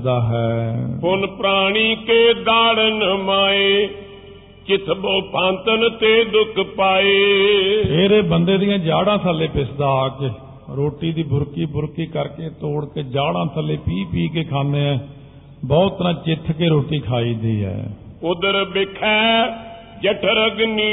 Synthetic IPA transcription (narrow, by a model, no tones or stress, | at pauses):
d̪aːɦɛːɦʊnpɾaːɽ̃iːkeːd̪aːɽənmaːeː | t͡ʃɪt̪ʰboːpãːnt̪ənt̪eːd̪ʊkʰpaːeːpʰeːɾeːbənd̪eːd̪ɪjãːd͡ʒaːɽãːsʰaːlẽːpɪsd̪aːke | ɾoːʈiːd̪iːbʊɾkiːbʊɾkiːkəɾkeːt̪oːɽkeːd͡ʒaːɽãːsʰaːleːpiːpiːkeːkʰaːneːɛ̃ː | bɔːt̪ːəɾãːt͡ʃɪt̪ʰːkeːɾoːʈiːkʰaːiːd̪ḭːɛ̰ːʊd̪əɾbɪkʰɛː | d͡ʒəʈʰəɾəɡniː